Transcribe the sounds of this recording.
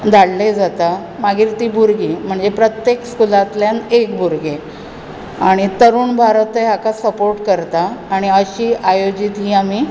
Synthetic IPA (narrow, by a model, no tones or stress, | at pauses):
d͡z̪ʱaɽled͡zat̪a | maɡiːɾt̪iːbʱuɾɡiːm̤əɳd͡zepɾət̪jekskulat̪ljanekbʱuɾɡe | aɽ̃it̪əɾuːnbʱaɾt̪əɦakasəpoɾʈkəɾt̪aːɽ̃iəɕiːʔajod͡ʑit̪ɦiːamiː